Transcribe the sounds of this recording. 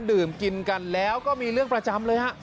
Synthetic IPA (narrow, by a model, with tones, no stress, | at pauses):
ndɯː˨˩mki˧nka˧nlɛː˦˥wkɔː˥˩miː˧ɾɯ˥˩əŋpɾa˧t͡ɕa˧mlɤː˧jha˦˥ʔ